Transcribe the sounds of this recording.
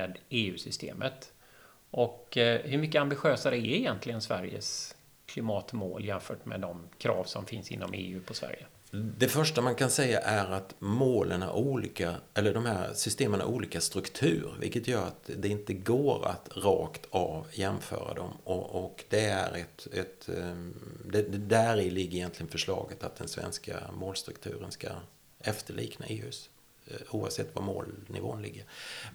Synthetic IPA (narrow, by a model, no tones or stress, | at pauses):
mɛd̪eːʉ̟ːsʏst̪ḛːmət̪ | ʔɔkhɵmʏkːəambɪɧøːsaɾɛæɪjɛnt̪lɪɡənsvæɾjə̰s | kʰlɪmɑːt̪mo̰ːljɛnfœːʈmɛ̰d̪ɔmkʰɾɑ̰ːvsɔmfɪnsɪ̰nːɔmḛːʉ̟ːpʰɔsvæ̰ɾjə | d̪ɛfœʂʈamankʰansɛjːaʔæɾat̪moːlʔəna̰ɾʔuːliːkaɛlːəɖɔmhæɾsʏst̪eːməna̰ɾʔuːliːkast̪ɾɵkt̪ʰʉ̟ːɾvɪ̰lkət̪jœːɾat̪d̪ɛɪnt̪əɡoːɾa̰t̪ɾɑːkt̪ʰavjɛmfœ̰ːɾa̰d̪ɔmɔɔkd̪ɛæɾɛt̪ɛt̪ | d̪ɛd̪ɛd̪æɾɪlɪɡːɾɪjɛnt̪lɪɡənfœʂlɑːɡət̪at̪̚d̪ɛnsvɛ̰nskamoːlst̪ɾɵkt̪ʰʉ̟ːɾənska | ɛft̪əɭiːknaʔeːʉ̟ːs | uːa̰vsɛt̪ːvaɾmoːlnɪvo̰ːnlɪɡːəɾ